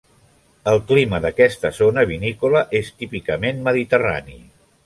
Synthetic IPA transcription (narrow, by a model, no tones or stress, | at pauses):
əlˠkliməðəkɛst̪əzonəβ̞inikuləʔest̪ipikəmenməðit̪əra̰nḭ